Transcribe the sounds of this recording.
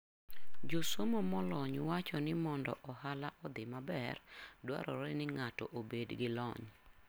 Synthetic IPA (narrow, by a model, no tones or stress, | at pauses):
d͡ʒosomɔmɔlɔɲwat͡ʃɔnɪmɔndɔ̰ʔɔhalaʔɔd̪ɪmabɛ̰rdwa̰ɾɔɾɛnɪŋatɔ̰ʔobedɡɪlɔ̰ɲ